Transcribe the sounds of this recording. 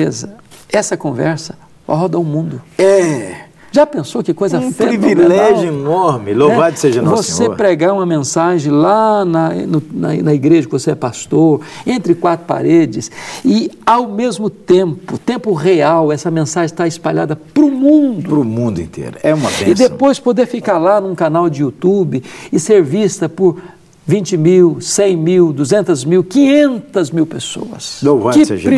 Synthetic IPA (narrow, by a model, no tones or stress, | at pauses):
ezɐɛsɐkõvɛ̰ɾsɐ̥ | ɦɔd̪ɐʊmũnd̪ʊɛ | ʒapẽsokɪkojzɐfeɾivilɛʒʊenɔɾmɪlovad͡ʒ̪ʊseʒɐvosepɾeɡaũmɐmẽsaʒẽj̃lanɐnʊnɐ̰nɐiɡɾeʒɐkɪvoseɛpast̪oɾẽnt̪ɾɪkwat̪ɾʊpa̰ɾed͡ʒɪsɪawmezmʊt̪ẽmpʊt̪ẽmpʊʁeawɛsɐmẽsaʒẽt̪aɪspaʎa̰d̪ɐpɾʊmũnd̪ʊɾʊmũnd̪ʊḛ̃nt̪ʰḛɾʊɛũmɐpẽɪd̪epojspod̪eɾfikaɾlanũkanawd͡ʒɪut̪ubɪɪseɾvist̪ɐpʊɾ | vĩt͡ʃɪmiwsẽj̃miwd̪uzẽnt̪ɐzmiwkĩɲẽnt̪ɐzmiwpeso̰ɐ̰sovɐ̃ɪsʒɾ